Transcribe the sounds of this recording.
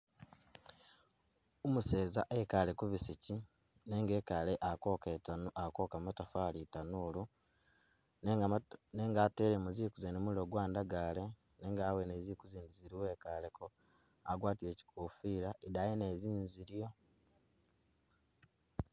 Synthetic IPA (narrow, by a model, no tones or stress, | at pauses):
umuseːzaʔekalekuβisici | ne̞ŋɡeːkaleʔakakokamutafaːlitanulu | nneːŋɡateːɾemuzikuzenemuliɾoɡwaːndaɡale̞ | neːŋɡaːwenezikuziːndiziɾiwe̞ːkaleko | aɡwaːtiɾeːci̥kʰuːfiɾaʔidajeneːziːnziɾjo̞